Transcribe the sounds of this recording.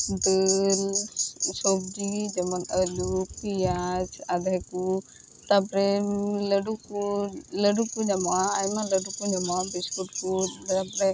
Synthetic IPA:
d̪ɯl | sɔbd͡ʒid͡ʒəmɔnəlukːijat͡ʃad̪ʱajku | t̪apɾɛləɖukuləɖukuɲamaːjmaləɖukuɲamabiskuʈ̚kutapɔɾɛ

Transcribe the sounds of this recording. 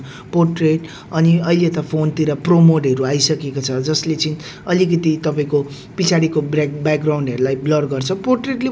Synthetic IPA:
porʈreʈ | ʌniʌilet̪ʌpʰont̪iɾʌpromoɖɦʌɾuajsʌkekot͡sʰʌd͡zʌslet͡siĩ | ʌlikʌt̪it̪ʌpaĩko | pit͡sʰaɽikobbak̚ɡraw̃ɳɖɦʌɾulajblʌɽɡʌrt͡sʰʌporʈreʈle

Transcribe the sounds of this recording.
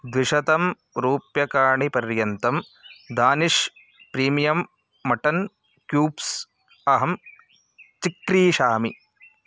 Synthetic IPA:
d̪ʋiʂɐt̪ɐm | ɾuːpjɐkaːɳipɐɾjɐnt̪ɐm | d̪aːniʂ | pɾiːmijɐmː | ɐʈɐn | kjuːps | ɐɦɐm | t͡ʃikɾiːʃaːmi

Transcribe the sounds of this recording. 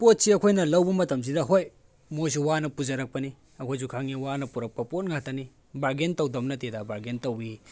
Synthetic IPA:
pot̚siɐkʰojnɐlɐwbɐmɐtɐms̬idɐɦoj | mos̬uwanɐpuzɐɾɐk̚pɐni | ɐkʰojs̬ukʰaŋiwanɐpuɾɐk̚pɐpot̚ŋatɐni | baɾɡentɐwdɐmnɐtedabaɾɡentɐwi

